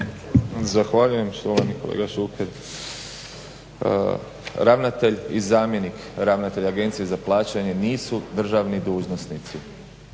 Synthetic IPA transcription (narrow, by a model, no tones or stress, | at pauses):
zaxʋaʎuje̞mst̪oʋaniko̞lḛːɡaʃukʰeɾ | ɾaʋnat̪e̞ʎizaːmje̞nik | ɾaʋnat̪e̞ʎaɡe̞nt̪sijezaplˠaːt͡ɕaɲe̞niːsud̪r̩ʒaʋnid̪uːʒnosnit̪si